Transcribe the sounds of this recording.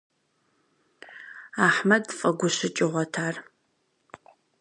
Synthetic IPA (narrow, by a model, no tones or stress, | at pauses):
aːħmɐdfʼɐɡʷʊɕɪt͡ʃʼɪʁʷɔtʰaːr